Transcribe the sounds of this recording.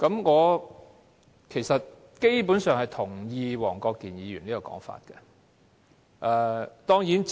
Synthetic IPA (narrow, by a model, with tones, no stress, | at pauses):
kɐ˨˧mŋɔː˨˧ | kʰe˨˩jsɐ˨t̚ | ke˥jpuː˨˥nsœː˨˧ŋhɐ˨jt̪ʰʊ˨˩ŋjiː˧wɔː˨˩ŋkɔː˧kːiː˨njiː˨˧jyː˨˩niː˥kɔ˨˧kɔ̰ː˨˥ŋfa̰ː˧t̚kɛ̰˧ | ʔɛ˨˧t̪ɔː˥ŋji˨˥n